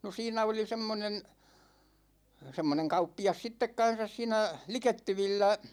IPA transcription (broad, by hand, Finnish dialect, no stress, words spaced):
no siːnæ oli semːonen̞ semːoneŋ kɑupːiɑs sitːek kɑn̞sɑs siːnæ liketːyʋilːæ